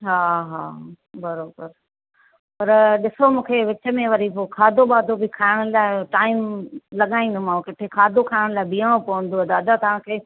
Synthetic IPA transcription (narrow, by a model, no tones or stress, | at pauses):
ɦaːɦa̰ː | bɐɾoːbəɾ | pɐɾɗɪsomũːkʰeʋɪt͡ɕə̆mẽʋɐɾipoːkʰaːd̪ʱoɓaːd̪ʱobikʰaːɪɽ̃ʊlaːɪʈaːɪmlɐɠaːĩːn̆d̪omãkɪʈʰekʰaːd̪ʱokʰaːɪɽ̃laːɪbiːəɽ̃opɐʋə̃n̆d̪oɐd̪aːd̪at̪ɐʋ̤ãkʰeː